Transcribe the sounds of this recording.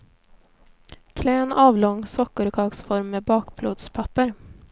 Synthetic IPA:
kʰlɛːnɑːvlɔŋːsɔkːəɾkʰɑːɡsfɔɾmːeːbɑːkblo̰ːd̪spʰapːəɾ

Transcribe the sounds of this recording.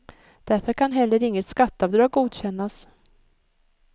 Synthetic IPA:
d̪̥æɾfəɾkʰanɦɛlːəɾɪŋːət̪skat̪ːavd̪ɾɑːɡuːd̪ɕɛnːas

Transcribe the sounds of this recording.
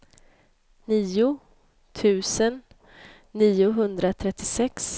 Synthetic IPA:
niːʊ | t̪ʰʉ̟ːsənː | iːʊɦɵnd̪ɾat̪ʰɾɛt̪ːɪsɛks

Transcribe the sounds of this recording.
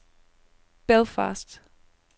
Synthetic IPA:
b̥ɛlˠfa̰ːsd̥

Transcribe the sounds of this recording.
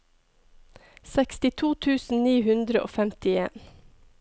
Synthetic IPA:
sɛkst̪ɪt̪ʰuːt̪ʰʉːsn̩niːhʉnd̪ɾəʔo̰ːfɛmt̪ɪḛːn

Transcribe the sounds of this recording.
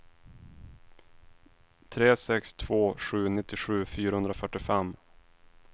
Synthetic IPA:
t̪ʰɾeːsɛkst̪ʰv̥oːɧʉ̟ːnɪt̪ːɪɧʉ̟ːfyːɾahɵnd̪ɾafœʈːɪfɛmː

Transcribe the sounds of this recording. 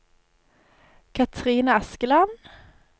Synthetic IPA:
kʰat̪ʰɾiːnaaskəlan

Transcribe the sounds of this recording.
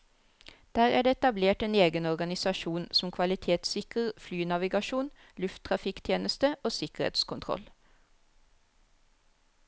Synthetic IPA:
d̪̥æːʁæːɖeːɛt̪ɑbleːʈeːneːɡənɔʁɡɑnɪsɑʃuːnsm̩kʰʋɑlɪt̪ʰeːt̪sɪkəʁflyːnɑʋɪɡɑʃuːn | lʉft̪ʰʁɑfɪkt̪ʰjeːnəst̪əoːsɪkəʁḛt̪skʰʊnt̪ʰʁɔ̰l

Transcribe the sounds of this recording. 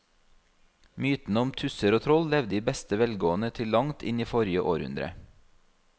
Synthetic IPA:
myːt̪n̩əɔmt̪ʰʉsəɾoːt̪ʰɾɔllɛʋd̪iːbɛst̪əʋɛlɡoːənət̪ʰɪllɑŋt̪ʰɪniːfɔɾjəʔo̰ːɾhʉ̰nd̪ɾə̰

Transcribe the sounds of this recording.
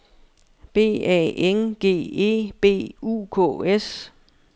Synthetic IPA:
b̥e̝̰ːɛ̰ːenɡ̥e̝̰ːe̝̰ːb̥e̝̰ːuːkʰɔ̰ːes

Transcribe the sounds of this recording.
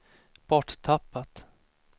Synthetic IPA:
b̥ɔʈtʰapːat̪

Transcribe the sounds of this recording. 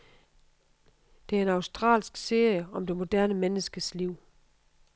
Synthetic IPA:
d̥e̝æɐe̝nɑ̈ʊsd̥ʁɑ̰̈ːlsɡ̥se̝ɐjəɒ̽md̥e̝mo̝d̥æɐnəmenəsɡ̥əsliʊ̰

